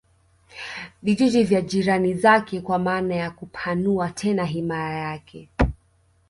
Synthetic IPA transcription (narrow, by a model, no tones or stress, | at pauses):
viʄid͡ʒivjaʄiɾanizakɛkwamaːnajakupʰanuatʰɛnaɦimajajakʰɛ